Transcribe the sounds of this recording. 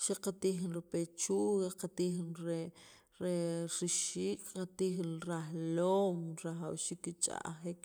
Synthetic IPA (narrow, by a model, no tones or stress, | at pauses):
ʃaqat̪iːxinɾipet͡ʃuːɣaqat̪iːxnɾe | ɾeɾiʃiːkʼqat̪iːxinɾahloːmɾaχawʃiːkːit͡ʃʼa̰ʔχik